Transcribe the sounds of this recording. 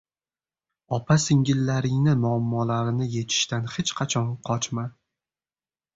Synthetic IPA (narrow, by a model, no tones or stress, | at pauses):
ɒpʰasɪŋɡʲɪlːaɾɪŋnɪmʊamːɒlaɾɪnɪje̞t̪ʰɪ̥ʃt̪anχet͡ʃqʰɑt͡ʃʰɒnqʰɒt͡ʃma